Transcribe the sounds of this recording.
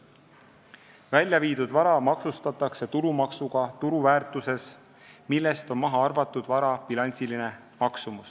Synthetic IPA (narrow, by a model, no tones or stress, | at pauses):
vælʲjɑviːd̪̥ud̪̥vɑɾɑmɑksust̪ɑt̪ːˑɑkse̞t̪uɾumɑksuɡ̥ɑt̪uɾuvæːrt̪ˑuse̞s | milːe̞st̪o̞nmɑɦɑɑrvɑt̪ːˑud̪̥vɑɾɑpilɑnʲsiline̞ | mɑksumus